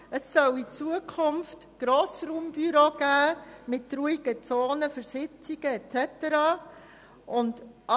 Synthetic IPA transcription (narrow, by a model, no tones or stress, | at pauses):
əsːœlit͡suəkʰχʊnftɡ̥ɾoːsɾuːmb̥yɾoːɡ̥æːmɪtɾuːiɡ̥ət͡soːnəfəɾsɪt͡siɡ̥əɛtt͡sɛtəɾɑː | ʔʊndʔɑ